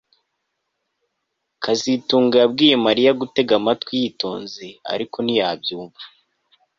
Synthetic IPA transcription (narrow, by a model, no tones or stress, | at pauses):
kʰazituːŋɡajab̚ɡiːje̞maɾijaɡute̞ɡamatwijito̞̰ːnzea̰ɾiko̞nijabjuːɱḁ